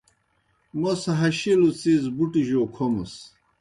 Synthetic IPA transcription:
mosɐɦɐɕilut͡sizbuʈiʑoːkʰomɐs

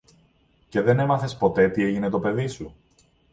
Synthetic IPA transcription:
ce̞ðe̞ne̞mɐθe̞spo̞t̪e̞t̪ie̞ʝine̞t̪o̞pe̞ðisu

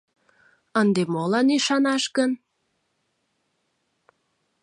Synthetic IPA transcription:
ənd̪emolɑniʃɑnɑʃkən

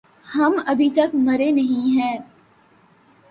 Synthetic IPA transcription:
hɐmɐbʱit̪ɐkmɐɾenɐɦĩɦɛ̃ː

